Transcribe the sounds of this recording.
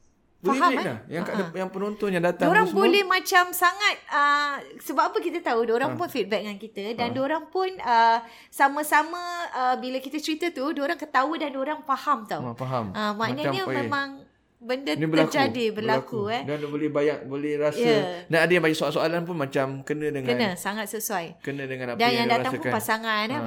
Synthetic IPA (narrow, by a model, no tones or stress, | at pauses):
bofaialajaŋkkaʔdjaŋpənɔnt̪ɔnjaŋdat̪aoɾaŋsbolɛhmãt͡ʃamsaŋat̪̚əsəbapapəkit̪ət̪audoɾaŋpʊnfit̪̚bɛk̚ŋankit̪ədandoɾaŋpʊnə | samə̃samə̃əbiləkit̪ət͡ʃəɾit̪ət̪udoɾaŋkət̪audandoɾaŋfahamt̪afaɦaəmanəɲəmemãŋ | bəndənibəəakd͡ʒadibərlakuɛdanbolɛhbajaʔ̚bolɛhɾasənaadəjãŋbaɲaʔsoalsoalanpunmat͡ʃamkənə̃dəŋkənə̃saŋat̪̚səsuajkənə̃dəŋãnadanjaŋdat̪aŋppasaŋan